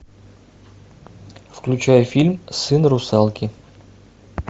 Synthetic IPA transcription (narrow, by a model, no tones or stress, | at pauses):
fklʲut͡ɕajʊfʲilʲmsɨnrusɑlˠkʲi